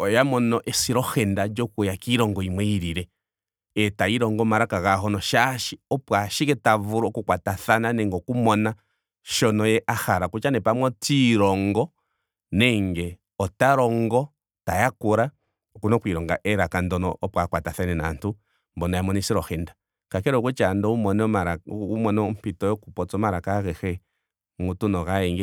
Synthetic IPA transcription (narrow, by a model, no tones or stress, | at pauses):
ɔjamɔnɔʔɛsiɾɔhɛndad͡ʒɔkujakiɾɔŋɡɔimwɛiɾiɾɛ | ɛtaiɾɔŋɡɔmaɾakaɣaɦɔnɔʃaʃiɔpwaʃikɛtavuɾɔkukwataθananɛŋɡɔkumɔna | ʃɔnɔjɛʔahaɾakut͡ʃanɛpamwɔtiɾɔŋɡɔ | nɛŋɡɛ | ɔtaɾɔŋɡɔ | tajakuɾa | ɔkunɔkwiɾɔŋɡaʔɛɾakandɔnɔʔːpwakwataθanɛna̰ntu | mbɔnɔjamɔnisiɾɔxɛnda | kakɛɾɔkut͡ʃandɔumɔnɔmaɾaumɔnɔmpitɔjɔkupɔt͡sɔmaɾakakɛxɛ | ŋutunɔɣaɛŋɡɛ